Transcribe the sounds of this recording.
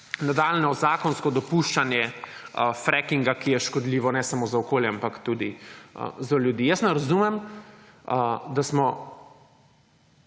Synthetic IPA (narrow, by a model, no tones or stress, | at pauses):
nad̪aːlnɔzaːkɔnskɔd̪ɔpuʃt͡ʃanjɛ | fɾɛkiŋɡakijɛʃkɔd̪liːʋɔnɛsamozaɔkoːljɛampakt̪ud̪iə̰zaljud̪iːjəsnɛɾazumɛm | d̪asmɔ